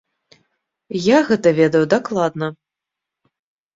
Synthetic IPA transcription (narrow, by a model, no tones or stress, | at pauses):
jaɣɛt̪ɐvʲɛd̪ɐwd̪aklˠad̪nɐ